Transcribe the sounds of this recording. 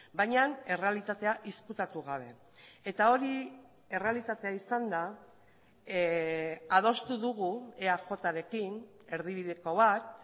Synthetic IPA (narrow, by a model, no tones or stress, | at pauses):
bajɲane̞re̞alit̪at̪e̞aʔiskut̪at̪uɣ̞aβ̞e̞ | et̪ao̞ɾi | e̞re̞alit̪at̪e̞aisand̪a | að̞o̞st̪uðuɣueaʝo̞t̪aɾe̞kin | e̞ɾðiβ̞iðeko̞β̞at̪̚